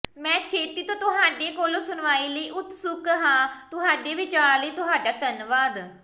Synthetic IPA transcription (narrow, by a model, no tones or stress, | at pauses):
mɛ̃ːt͡ʃʰeːt̪iːt̪õːt̪ʊɦaːɖeːkoːlõːsʊnʋaːiːləiːʔʊt̪sʊkɦãːt̪ʊɦaːɖeːʋɪt͡ʃaːɾləiːt̪ʊɦaːɖaːt̪ənʋaːd̪